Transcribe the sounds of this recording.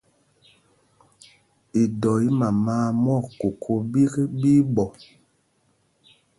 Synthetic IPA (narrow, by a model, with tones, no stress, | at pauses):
i˨dɔ˨i˦ma˨maː˦mɔ˦˨ko˨kʰo˦bi˦ki˦bi˦bɔ˨